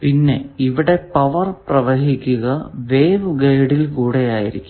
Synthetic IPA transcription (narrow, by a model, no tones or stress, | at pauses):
pinːe̞̰iʋiɽe̞pɐʋɐrprɐʋɐɦikʲːuɣɐʋe̞ːʋɡɐjɽilkuːɽe̞jaːjḭɾḭkʲːu̥m